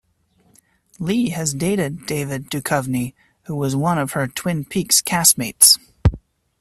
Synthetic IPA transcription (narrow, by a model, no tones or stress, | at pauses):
liɨzdeɪɾɪdeɪvɨdʉkʰʌvni | huwʌzwʌ̃nʌv̥ə˞tʰw̥ɪ̃npʰikskʰæsmeɪts